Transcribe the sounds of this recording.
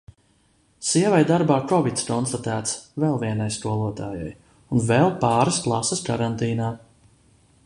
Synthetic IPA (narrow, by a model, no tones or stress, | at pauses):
siɛvajd̪aɾbaːkɔvit̪skɔnst̪at̪æːt̪svɛlˠviɛnajst̪uɔlˠuɔt̪aːja̰j | unvɛlˠpaːɾəsklˠasəskaɾant̪iːnaː